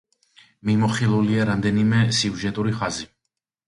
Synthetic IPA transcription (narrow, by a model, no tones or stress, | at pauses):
mimɔχilˠuliaɾamd̪ɛnimɛsiuʒɛt̪ʼuɾiχazi